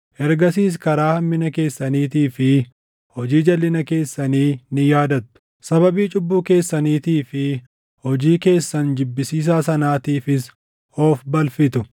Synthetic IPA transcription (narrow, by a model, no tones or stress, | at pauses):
ʔɛɾɡɐsiːs̬kɐɾaːhɐmːɪnɐke̞ːsːɐniːt̪iːfɪ | hɔd͡ʒiːd͡ʒɐlːɪnɐke̞ːsːɐniːnɪjaːd̪ɐt̪ːʊ̥ | sɐβɐbiːt͡ʃʼʊbːuːke̞ːsːɐniːt̪iːfɪ | hɔd͡ʒiːke̞ːsːɐnd͡ʒɪbːɪsiːs̬aːsɐnaːt̪iːfɪs | oːfbɐlfɪt̪ʊ